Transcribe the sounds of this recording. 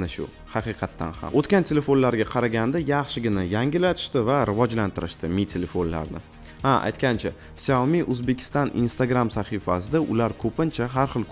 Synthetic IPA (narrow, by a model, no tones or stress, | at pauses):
naʃʊ̰ | hɑqʰɨqʰɑt̪ʰːa̰nha̰mot̪kʲant̪ʰe̞le̞fo̞nlaɾɡʲaqʰɑɾaɡʲand̪ajɑχʃɪɡʲɪnajaŋɡʲɪlat̪ʰɪ̥ʃt̪ɪvaɾɪvɒd͡ʒlant̪ʰɪɾɪʃt̪ɪmit̪ʰele̞fonla̰ɾnɪ | haʔa̰jt̪kʲant͡ʃʰa | sawmiʔɵzbe̞kʲʰɪ̥st̪ɒnḭnst̪aɡɾamsaχifasɪd̪aʔʊlaɾkʰɵpɪnt͡ʃʰaɦaɾχɨlˠk